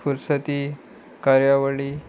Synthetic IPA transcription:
fuɾsət̪iː | kaɾjaʋəɭiː

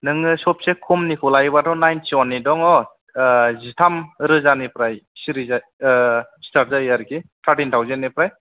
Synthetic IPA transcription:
nɯŋɯsɔp̚sekʰumnikʰɔlajbatʰɔnajntʰiwanːidɔŋɔ | zitʰamɾɯzanipɾajsiɾiza | stat̚zajaɾkit̪ʰaɾʈintʰawzennːipɾaj

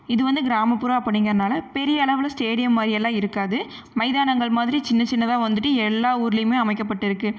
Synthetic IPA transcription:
ɪðɯʋɐnd̪ɯɡɪɾaːmɐpːɯɾɐ̃ɐpːɐɽɪŋɡɾɐðnaːlɐpɛɾɪjɐːɭɐʋɯlɐsʈeːɽɪjɐmːaːdɾɪɛlːãːɪɾɯkːaːðɯ | mɐɪðaːnɐŋɡɐɭmaːðɪɾit͡ʃɪnːɐt͡ʃɪnːɐðãːʋɐnd̪ɯʈːɯɛlːaːuːɾɪlɐjmeːɐmɐɪkːɐp̬ːɐʈːɪɾɯkːɯ

